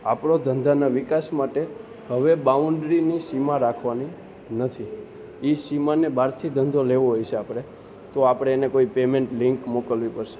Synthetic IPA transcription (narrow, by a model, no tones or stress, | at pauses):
a̰pɽod̪ʱənd̪ʱanaʋikasmaʈe | həʋebauɳɖɾinisimaɾakʰʋani | nət̪ʰi | isimanebʱaɾt̪ʰid̪ʱənd̪ʱoleʋoɦojt͡ʃʰeapɽ̃e | t̪oapɽ̃eːnekoipemẽɳʈlɪ̃ŋkmokəlʋipəɾʃe̥